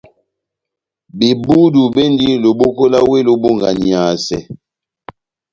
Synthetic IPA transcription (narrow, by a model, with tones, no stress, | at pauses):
bi˨bu˦du˨be˦ndi˦lo˨bo˦ko˦la˦we˦lo˨bo˦ŋɡa˨ni˨a˨sɛ̰˨